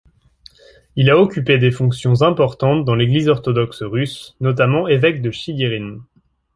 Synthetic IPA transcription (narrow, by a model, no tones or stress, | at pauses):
ilaɔkʲyped̪efɔ̃ksjɔ̃zɛ̃pɔʁt̪ɑ̃t̪̚d̪ɑ̃leɡlizɔʁt̪ɔd̪ɔksʁysnɔt̪̬amɑ̃evɛk̚d̪əʃiɡeʁin